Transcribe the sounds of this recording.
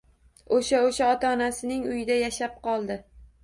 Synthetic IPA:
oʃaoʃaɒt̪ʰaɒnasɪnɪŋʊjɪd̪ajaʃap̚qɒlˠd̪ɪ

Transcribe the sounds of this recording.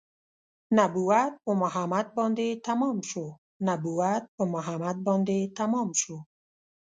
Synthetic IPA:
nabuwat̪̚omʊɦamad̪̚bɔnd̪et̪amɔmʃo | nabuwat̪̚bomʊɦamad̪̚bɔnd̪et̪amɔmʃu

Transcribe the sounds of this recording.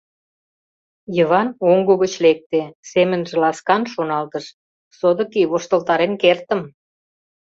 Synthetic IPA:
jəβɑnoŋɡuɣət͡ɕlek̚t̪esemə̆nʒĕlɑskɑnʃonɑlt̪ə̆ʃ | sod̪ə̆kiβoʃt̪əlt̪ɑɾenkert̪əm

